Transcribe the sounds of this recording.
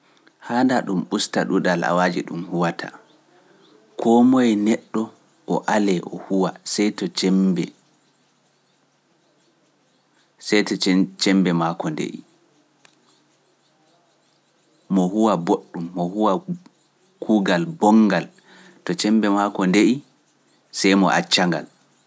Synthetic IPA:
handaɗumɓustaɗuɗala̰wad͡ʒiɗṵmhuwatʰa̰ | kʰɔmɔjnɛɗːɔ | ʔɔʔalɛʔɔhuwasɛjtɔt͡ʃɛmbɛ | sɛjtɔt͡ʃɛmbɛmakɔndḛʔḭ | mɔhuwaboɗːumːɔhuwa | kʰuɡalbɔŋɡal | tɔt͡ʃɛmbɛmakɔndeʔi | sɛjmɔ̰ʔa̰t͡ʃːaŋɡa̰l

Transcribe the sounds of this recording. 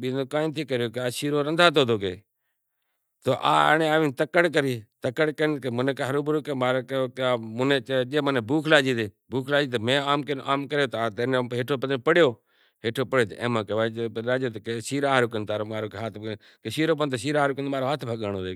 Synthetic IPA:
ɓiːoːkaːĩːt̪ʰiːkəɾjoːkeaːsiːɾoːɾənd̪ʱaːt̪̬oːd̪oːkḛː | t̪oːʔa̰ːneaːʋĩːnt̪əkəɽk̬əɾiːt̪əkəɽkəkːmʊnẽːkaːɦəɾoːbɾoːkemaːɾkːmʊneːt͡ʃd͡ʒeːməneːbuːkʰlaːd͡ʒiːt̪eːbuːkʰlaːd͡ʒiːt̪emẽːaːmkəʔaːmkəɾjoːt̪ːaːt̪eːnɦeːʈʰoːpəd̪ɾːpəɽjoː | ɦeːʈʰoːpəɽjoːt̪ḛḛ̃ːmãːkeʋaːaːd͡ʒeːt̪ːkesiːɾaːɦɾoːkənt̪aːɾoːmaːɾoːkeɦaːt̪ʰ | kesiːɾoːpənt̪oːsiːɾaːɾoːkənd̪maːɾoːɦaːt̪ʰbʱəɠaːnoːɾeː

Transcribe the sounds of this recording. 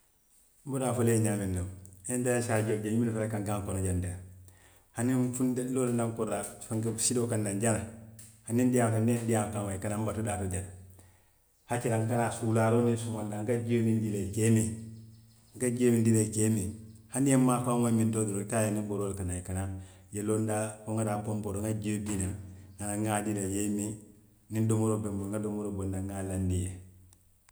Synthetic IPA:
m̩buɾafoleɲamindaendaaʃad͡ʒod͡ʒeɲmilfaakaŋɡaŋkonad͡ʒandeɾa | hanifundailolanaŋkoɾafaŋɡsidokandand͡ʒanahanindijakanːendijamkanwaikanambatudatodeɾ | hakiɾaŋkanasulaɾonisumandaŋɡad͡ʒemindileɡeme | ŋkad͡ʒemindileɡemihaniemːakawamindodiotajeniboɾolkanaikana | jelondakoŋadabomboɾoŋad͡ʒidinaŋanaŋadilejemi | nidomoɾobemboŋɡadomuɾobondaŋalandije

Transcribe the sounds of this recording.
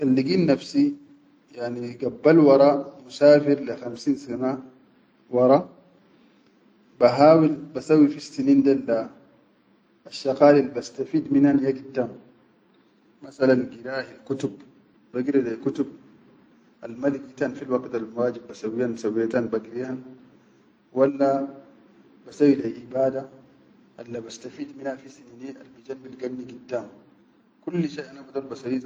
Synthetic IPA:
ʔalːiɡiːnːafsi | jaʕniɡabːalwɑɾˤɑmusaːfiɾlixamsiːnsana | wɑɾˤɑ | baɦaːwilbasawːifistinind̪ala | aʃːɑqaːlilbast̪afiːd̪minhanjaɡid̪ːam | masalanɡiɾaːhilkut̪ub | baɡiɾidalkut̪ub̚ | ʔalmad̪iɡit̪anfilwakt̪almwaːd͡ʒibːasawijansawijat̪anbaɡɾijan | walːa | basawːilalʔibaːd̪a | ʔalːabast̪afiːd̪minafisininiʔa̰lbid͡ʒambilɡanːiɡidːaːm | kulːʃeʔanabad̪uɾbasawi

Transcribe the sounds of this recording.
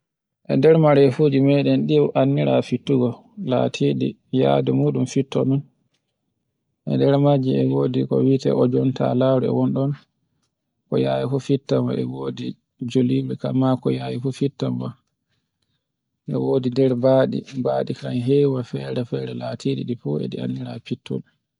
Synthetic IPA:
ʔɛndɛɾmaɾɛfud͡ʒimɛɗɛnɗiʔanːiɾafitːuɡɔ | la̰tʰiɗḭ | ja̰dɛmuːɗumfitːɔ̰mɔn | ʔɛ̰ndɛɾmad͡ʒiɛwoːdikɔ̰witɛ̰ɔd͡ʒɔnta̰laːɾuɛ̰wɔnɗɔn | kɔjajifɔfitːama̰ʔɛwoːdi | d͡ʒolibɛkamakɔjajifɔfitːamba | ʔɛ̰woːdidɛɾbaːɗḭbaːɗikanɦɛwafɛɾɛfɛɾɛlatʰiɗḭɗifɔɛ̰ɗia̰nːiɾafitːɔ̰l

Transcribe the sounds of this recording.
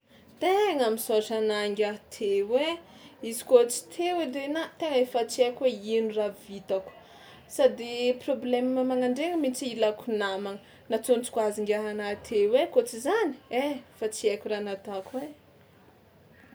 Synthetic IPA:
t̪eŋamisoʃanaŋɡʲat̪ʰewe | izi̥kot͡si̥t̪ʰewed̪enat̪eŋefət͡siakʲweinuravit̪aku̥ | sad̪eproblɛmːamaŋaɳɖ͡ʐeŋəmit͡siilakunamaŋə | nat͡sunt͡si̥kwaziŋɡʲaɦanat̪ʰewekot͡sizani̥efat͡siakʲuranat̪akuwe

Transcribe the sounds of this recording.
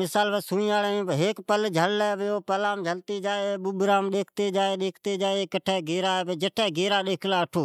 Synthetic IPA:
ɪsaːlpəsuːĩːaːlẽːẽːɦeːkpəld͡ʒʱəlːɛːbeːoːpəlaːmd͡ʒʱəlt̪iːd͡ʒaːeɓʊɓɾaːmɗeːkʰt̪eːd͡ʒaːeːɗeːkʰt̪eːd͡ʒaːeːkəʈʰɛːɡeːɾaːɛːbeːd͡ʒəʈʰɛːɡeːɾaːɗeːkʰlaːəʈʰoː

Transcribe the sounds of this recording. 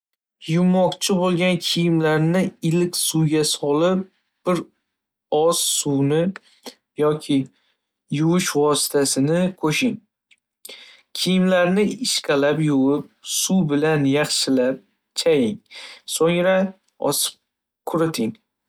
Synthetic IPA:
jʊmːɒqt͡ʃʰɪbolˠɡʲankʲʰijɪmlaɾnɪɪlɪkʲsuwɡʲasɒlɪp̚ | b̥ɪɾ | ɒssuwnɪ | jɒkʲʰɪ | jʊwɪʃvɒsɪ̥t̪ʰasɪnɪkʰoʃɪŋ | kʲʰijɪmlaɾnɪɪʃkʲalapjʊwɪp̚subɪlanjɑχʃɪlap̚ | t͡ʃʰajɪŋsoŋɾa | ɒ̰sɪ̥p̚ | kʰʊɾɪt̪ʰɪŋ

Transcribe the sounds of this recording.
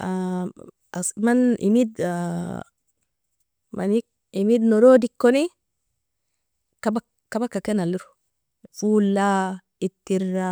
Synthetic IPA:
a | asmanḭmid̪ | mʔa̰nik̚ | imid̪noɾoːdikːoni | kabakː | abakːakenalːuɾu̥ | fuːlːa | it̪ːiɾːa

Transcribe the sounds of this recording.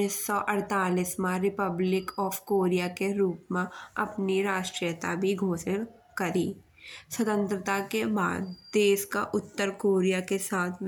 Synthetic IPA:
ɪsːɔʔɐɾt̪aːlismãɾɪpəblɪkɔːfkoːɾijakeɾuːpmẽɐpniɾaːʃʈɾijət̪abʱiɡʱoːsəɽ̃ | kɐɾiː | swɐt̪ə̃nt̪ɾət̪akeba̰ːd̪d̪eːʃkaʔʊt̪ːəɾkoːɾijakesaːt̪ʰ

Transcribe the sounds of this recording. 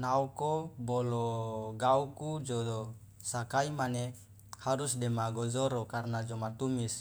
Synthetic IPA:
naukobɔlɔɡaukud͡ʒo | sakaimane | haɾusdɛmaɡɔzoɾɔkarnad͡ʒɔmat̪umis

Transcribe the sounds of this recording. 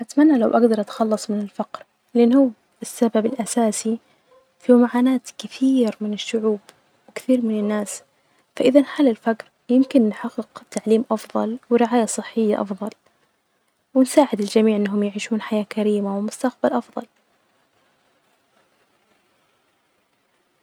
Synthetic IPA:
ʔat̪amanːalawʔaɡd̪ɑɾˤʔat̪xɑlːɑsˤmɪnɪlfɑqɾ | lɪʔɪnːhuw | ɪsːababɪlʔasaːsi | fiwmaʕaːnaːt̪kɪθiːɾmɪnɪʃːʊʕuːb | wɪkɪ̥θiːɾmɪnɪnːaːs | faʔɪðanħalːɪlfakɾ | jɪmkɪnːħɑqːɪqt̪ːaʕliːmʔɑfðˤɑ̰lwɪɾɪʕaːjasˤɨħːɪjːa̰ʔɑ̰fðˤɑl | wɪnsaːʕɪd̪ɪld͡ʒamiːʕʔɪnːaɦʊmjaʕiːʃuːnħajaːkaɾiːmawɪmʊst̪aq̚balʔɑfðˤɑ̰l

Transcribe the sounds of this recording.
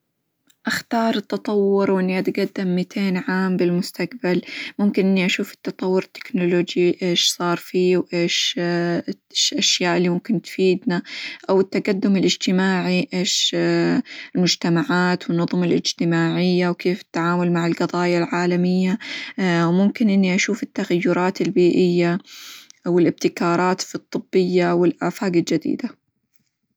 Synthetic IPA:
ʔaxt̪ɑːɾˤɨt̪ːɑt̪ˤɑwːʊɾwʔɪnːiʔat̪ɡad̪ːamːit̪ʰeːnʕaːmbɪlmʊst̪aq̚balmʊmkɪnʔɪnːiʔaʃuːfɪ̥t̪ːɑt̪ˤɑwːʊɾɪt̪ːɪ̥knoloːd͡ʒiʔeːʃsˤɑːɾˤfiːwʔeːʃ | ʔaʃjaːʔɪlːimʊmkɪnt̪fiːd̪naʔawɪt̪ːaɡad̪ːʊmɪlɪd͡ʒt̪ɪmaːʕiʔeːʃ | ɪlmʊd͡ʒt̪amaʕaːt̪wɪnːʊðˤmalʔɪd͡ʒt̪ɪmaːʕɪjːawkeːfɪ̥t̪ːaʕaːmʊlmaʕɪlɡɑðˤɑːjalʕaːlamɪjːa | wmʊmkɪnʔɪnːiʔaʃuːfɪt̪ːaɣajːʊɾˤɑːt̪ɪlbiːʔɪjːa | wɪlʔɪb̚t̪ɪkɑːɾˤɑːt̪fit̪ˤːɨbːɪjːawɪlʔaːfaːɡɪld͡ʒad̪ḭːd̪a

